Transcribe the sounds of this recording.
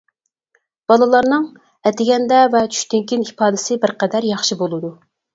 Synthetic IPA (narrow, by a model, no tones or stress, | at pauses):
b̥ɑlˠɨlˠɑɾnɨŋ | ɛt̪ɪɡʲɛnd̪ɛvɛt͡ʃʰy̥ʃt̪ɪŋkʲinipʰɑːd̪ɪsɪbɪɾqɛd̪æɾjɑχʃibolˠɨd̪u